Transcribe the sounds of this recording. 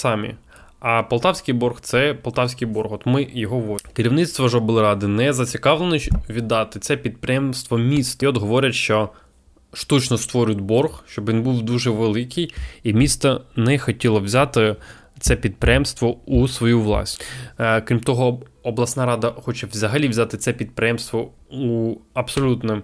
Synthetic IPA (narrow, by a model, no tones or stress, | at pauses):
sɑmʲḭ | ɐpɔlˠt̪ɑwsʲkʲijbɔrxt̪sɛpɔlˠt̪ɑwsʲkijbɔrxɔt̪mɪjɔɦɔʋɔkɪɾʲiwnɪt̪st̪ʋɔʒɔbɪlˠɪɾɑd̪ɪnɛzɐt͡sʲikɑʋlˠenɔʋʲid̪ːɑt̪ɪt̪sɛpʲid̪̚pɾʲɪjɛmst̪ʋɔmʲist̪ɐɔd̪ɦɔʋɔɾʲɐtʃt͡ʃɔ | ʃt̪ut͡ʃnɔst̪ʋɔɾʲʊt̪ʲbɔrxʃt͡ʃɔbʲinbuwd̪uʒɛʋelˠɪkɪjimʲist̪ɐnɛxɔtʲilˠɐwzʲɑt̪ɪ | t̪sɛpʲid̪̚pɾʲɪjɛmst̪ʋɔusʋɔjuʋlˠɑ̰sʲkɾʲimt̪ɔɦɔɔblˠɐsnɑɾɑd̪ɐxɔt͡ʃɛʋzɐɦɐlʲiʋzʲat̪ɪt̪sɛpʲid̪̚pɾʲɪjɛmst̪ʋɔ | uɐbsɔlʲut̪nɪm